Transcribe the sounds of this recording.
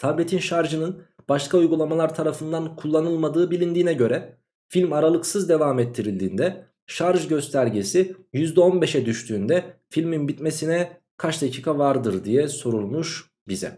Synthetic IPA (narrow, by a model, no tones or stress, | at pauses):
t̪ʰablʲet̪ʰinʃaɾʒɯnɯn | b̥aʃkʰaujɡulˠamalˠaɾt̪ʰaɾafɯnd̪ankʰulˠːanɯlˠmad̪ɯːbilʲind̪iːnɛɟø̞ɾɛ | filʲmaɾalˠɯksɯzd̪e̞vaːmɛt̪ʰːiɾilʲd̪ḭːnd̪ɛ | ʃaɾʒɟø̞st̪ʰæɾɟesijyzd̪ɛo̞nbe̞ʃɛd̪yʃt̪ʰyːnd̪ɛfilʲminbit̪me̞sinɛ | kʰat͡ʃd̪acʰiːkʰavaɾd̪ɯɾd̪ijɛso̞ɾulˠmuʃ | bizɛ̰